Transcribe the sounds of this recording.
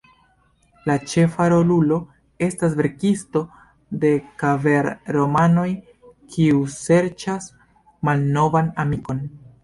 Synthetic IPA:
lat͡ʃe̞faɾo̞lulo̞ | e̞stasve̞ɾkisto̞ | de̞kave̞ɾɾo̞mano̞j | kʰiuse̞ɾt͡ʃas | malno̞vanamiko̞n

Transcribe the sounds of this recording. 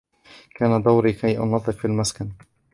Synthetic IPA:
kaːnad̪awɾiːkajʔʊ̰nɑðˤːɨqfilmaskan

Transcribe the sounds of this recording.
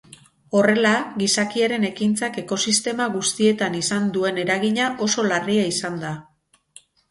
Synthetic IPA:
o̞re̞laɣisakiaɾe̞ne̞kint͡sake̞ko̞sist̪e̞maɣust̪ie̞t̪anisand̪ue̞ne̞ɾaɣiɲaʔo̞so̞lariaisand̪a

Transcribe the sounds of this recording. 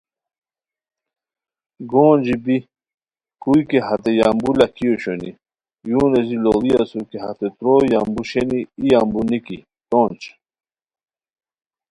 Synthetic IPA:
ɡoːnd͡ʑibi | kujkeɦɐt̪ejaːmbulakʰijoɕoni | juːnezilolijasukeɦat̪et̪ɾojambuɕeniːjambuniki | t̪oːnt͡ɕ

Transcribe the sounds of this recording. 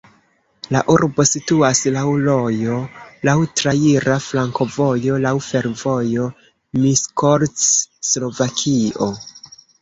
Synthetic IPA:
laʔuɾbo̞situaslawlo̞jo̞lawtɾaiɾaflaŋko̞vo̞jo̞lawfe̞ɾvo̞jo̞ | miskoɾː | lo̞vakʰio̞

